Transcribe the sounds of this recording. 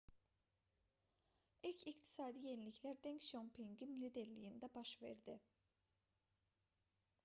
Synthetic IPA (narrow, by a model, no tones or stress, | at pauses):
ilcʰikt̪ʰi̥sɑːd̪ije̞nilicʰlæɾd̪eŋcʃompʰiŋɡinlid̪e̞ɾlijind̪æbɑʃve̞̰ɾd̪i